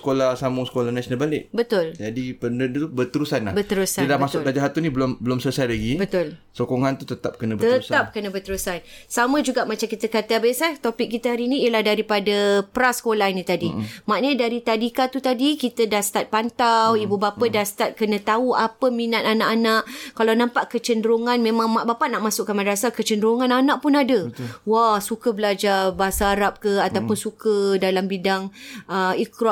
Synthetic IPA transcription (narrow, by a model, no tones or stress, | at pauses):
ə̥kolahsamʊŋsə̥kolanasənalbalɪʔbət̪ʊld͡ʒadipərnəubət̪əɾusanlahbət̪əɾusaəlabmasʊklad͡ʒaɦat̪unĩbəlʊmbəlʊmsəlsajlaɡibət̪ʊl | sokoŋant̪ut̪ət̪ap̚kənə̃bət̪əɾusap̚kənəbət̪əɾusansamə̃d͡ʒuɡaʔmat͡ʃamkit̪əkat̪əbaisat̪opɪk̚ːit̪əɦaɾiniiəlahdaɾipadəpəɾasə̥kolahinĩt̪adimaʔnədaɾit̪adikat̪ut̪adikit̪ədahst̪at̪̚pant̪awibubapədahst̪at̪̚kənə̃t̪auapəminat̪anaʔanaʔkalanãmpaʔkət͡ʃəndɾuŋanmẽmãŋmaʔbapaʔnaʔmãsʊʔkːanmadasakət͡ʃəndəɾuŋãnanãʔpʊnadəwahsukəbəlad͡ʒarbasaːɾap̚kəat̪awpʊnsukədalambidaŋəikɾ